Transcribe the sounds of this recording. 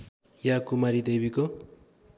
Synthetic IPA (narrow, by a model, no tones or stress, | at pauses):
jakumaɾid̪ebiko